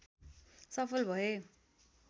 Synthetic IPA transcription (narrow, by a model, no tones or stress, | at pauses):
sʌpʰʌlbʱʌe